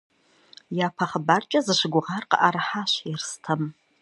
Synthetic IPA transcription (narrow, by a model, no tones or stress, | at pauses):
japʰɐχəbart͡ʃʼɐzɨʃʷɪɡʷʊʁarqə̰ʔarħaʃɪrstʰɐm